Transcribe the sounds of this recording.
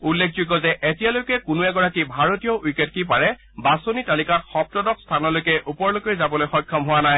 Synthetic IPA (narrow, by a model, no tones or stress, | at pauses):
ulːek̚ʰzuɡɔzɛʔetijalojkɛkʊnuɛɡɔɹakibʱaɹotijɔʔujket̚kip̬aɹɛ | basonitalikatxɔp̚tɔdɔkstʰanɔlojkɛʔupɔɹlokojzabɔlojxɔjkʰːɔmɦʊwanaj